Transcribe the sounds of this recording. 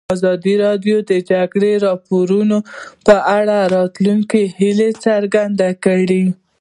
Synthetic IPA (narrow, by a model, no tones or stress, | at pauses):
azɑd̪iɾɑdjod̪əd͡ʒaɡɽeɾɑpoɾunopəʔaɽaɾɑt̪luŋkihilet͡saɾɡand̪akəɽi